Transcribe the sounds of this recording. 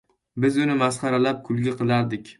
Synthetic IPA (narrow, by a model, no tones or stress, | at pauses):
bɪzʊnɪmasχɑɾalap̚kʰʊlˠɡʲaqʰɨlˠaɾd̪ɪkʲ